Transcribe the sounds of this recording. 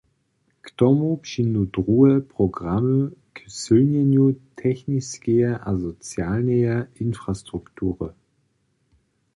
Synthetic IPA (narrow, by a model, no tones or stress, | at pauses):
ktɔmupʃinudʁuːəpʁ̥oɡʁaməkəsølnɛnjutʰɛçnɪskɛɐʔazot͡sjaːlnəɐʔɪnfʁ̥astʁ̥uktʰuːʁə̰